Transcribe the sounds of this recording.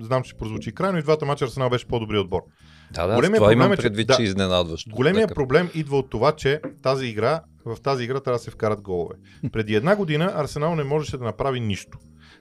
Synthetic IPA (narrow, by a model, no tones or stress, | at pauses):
znamt͡ʃt͡ʃɛpɾozvot͡ʃikɾajnoid̪vat̪əmat͡ʃɐɾsɛnalˠbɛʃɛ̥pod̪obɾiod̪̚bɔɾ | d̪a̰d̪ɡolɛmijəɾmblɛmpɾɛd̪vid̪aɛiznɛnad̪vəʃt̪ɡolɛmijəpɾoblɛmid̪vəot̪ːovat͡ʃɛt̪aziːɡɾa | vɐft̪aziːɡɾat̪ɾavəd̪ɐsɛfkaɾəd̪̚ɡɔlˠo̰vɛ̰ | pɾɛd̪iɛd̪naɡod̪inəʔɐɾsɛnalˠnɛmɔʒɛʃɛd̪ɐnɐpɾaviniʃt̪o̥